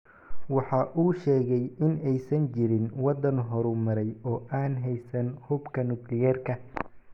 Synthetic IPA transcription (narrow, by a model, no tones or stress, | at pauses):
wɑħɑːʔuːʃɛːɣɛjɪnɛjsɐnt͡ʃɪɾɪnwɑd̪ɐnɦɔɾʊmɐɾɛjɔːʔaːnɦɛjsɐnhʊbkʰɐnʊklɪjɛːrkʰɐ